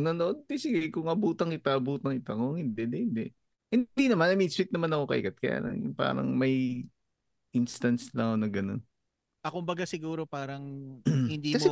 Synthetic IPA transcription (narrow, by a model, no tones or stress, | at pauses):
nɐnoʔod̪̚kɛsɪɡakʊŋʔɐbuːt̪ɐŋɪt̪aʔɐbuːt̪ɐŋɪt̪akoŋhɪnd̪ɛd̪ɛhɪnd̪ɛʔ | hɪnd̪inɐmanːɐmiswɪt̪̚nɐmanɐko̞kɐ̰ʔɪ̰kɐt̪̚kɐja̰ːlɐ̰ŋpa̰ːɾɐ̰ŋmɐj | ʔɪnst̪ɐnslɐŋonɐɡɐno̞̰n | ʔɐkʊmbɐɡasɪɡuːɾopaːɾɐŋhɪnd̪iːkɐmo